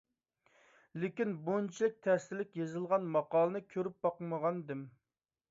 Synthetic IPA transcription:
lɪkʲinbont͡ʃʰilˠɪk̚ʲt̪ʰɛst̪ɪlɪkʲjezɨlˠʁɑnmɑqɑːlˠɨnɨkʲʰøɾyp̚bɑqməʁɑnd̪ɪm

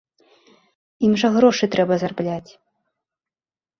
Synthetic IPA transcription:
imʐɐɣɾɔʂɨt̪ɾɛbɐzarblʲat͡sʲ

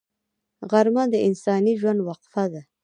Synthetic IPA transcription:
ɣaɾmad̪əɪnsɑniʒwand̪waqfad̪a

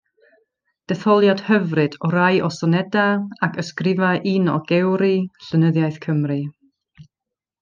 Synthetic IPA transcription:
d̥ɛθɔlˠjad̥həvrɨd̥ɔɾajʔɔsɔnɛdaakʰəskrɪvaʔinɔɡɛwɾiɬənəðjajθkʰəmrɨ

